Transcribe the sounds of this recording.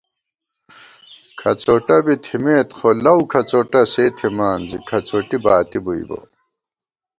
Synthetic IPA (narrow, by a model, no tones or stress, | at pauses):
kʰɐt͡soʈɐbit̪ʰimeːt̪xʰolɐwkʰɐt͡soʈɐseːt̪ʰimaːnzikʰɐt͡soʈibaːt̪ibuḭbo̰